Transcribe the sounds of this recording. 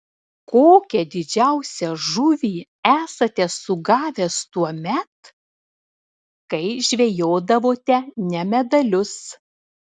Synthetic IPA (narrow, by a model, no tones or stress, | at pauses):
koːkʲɛd̪ʲɪd͡ʒʲæʊsʲɛʒʊʋʲiː | æːsɐt̪ʲɛsʊɡɑːʋʲɛst̪uɔmʲɛt̪ | kɐɪʒʲʋʲejoːd̪ɐʋoːt̪ʲɛnʲɛmʲɛd̪ɐlʲʊs